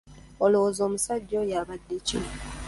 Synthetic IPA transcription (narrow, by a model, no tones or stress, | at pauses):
oloozo̞ːmusaɟːo̞jaːβadːecḭno